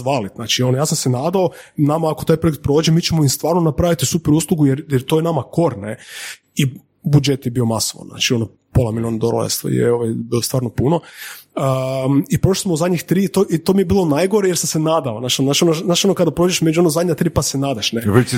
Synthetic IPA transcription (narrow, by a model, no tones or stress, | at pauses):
ʋalinaːt͡ʃio̞nojaːsamsenaːd̪aonamaːkot̪aːjpɾoekt̪̚pɾo̞ːd͡ʒemit͡ʃemoimst̪ʋaːɾnonapɾaʋit̪isupeɾuːslˠuɡujeɾjeɾt̪ojenamako̞ɾne | i | bud͡ʒet̪jebio̞masoʋa̰nzna̰t͡ʃiono | polˠamilionad̪oɾo̰ḛst̪jḛoʋajbilost̪ʋaːɾnopuno | ipɾo̞ʃlismouzad̪ʲɲixt̪ɾiːt̪oʔit̪omijebiːlonajɡo̞ɾejeɾsamsenaːd̪aonaʃnat͡ʃinonaːt͡ʃionokad̪apɾoːd͡ʒeʃmed͡ʒuonozad̪ɲat̪ɾiːpasenaːd̪aʃneʋe